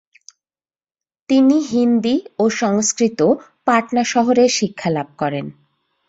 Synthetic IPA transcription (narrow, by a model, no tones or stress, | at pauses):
t̪iniɦind̪ioʃɔŋskɾit̪o | paʈnaʃɔɦoɾeɾʃikʰːalab̚kɔɾen